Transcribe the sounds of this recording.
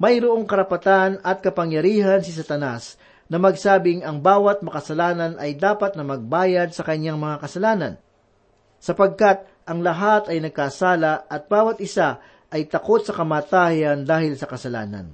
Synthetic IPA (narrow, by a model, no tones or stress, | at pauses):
mɐjɾoʔo̞ŋkɐɾɐpɐt̪anɐt̪̚kɐpɐŋjɐɾiːɦɐnsɪs̬ɐt̪ɐnas | nɐmɐɡsaːbɪŋɐŋbaːwɐt̪̚mɐkɐsɐlaːnɐnʔɐjd̪aːpɐt̪̚nɐmɐɡ̚baːjɐd̪̚sɐkɐɲaŋmɐŋakɐsɐlaːnɐ̰n | sɐpɐɡ̚kat̪̚ | ʔɐŋlɐɦat̪ɐjnɐɡ̚kaːsaːlɐʔɐt̪̚baːwɐt̪̚ʔɪsa | ʔɐjt̪ɐko̞t̪sɐkɐmaːt̪aːjɐnd̪aːhɪlsɐkɐsɐla̰ːnɐ̰n